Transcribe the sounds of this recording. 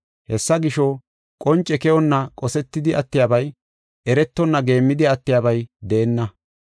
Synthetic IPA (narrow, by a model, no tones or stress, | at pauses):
hɛsːɐɡɪʃɔ | kʼɔnt͡ʃʼːɛkɛɔnːɐkʼɔsɛt̪ːɪd̪ɪʔɐt̪ːɪjaːbɐj | ʔɛɾɛt̪ːɔnːɐɡe̞ːmːɪd̪ɪɐt̪ːɪjaːbɐjd̪e̞ːnːɐ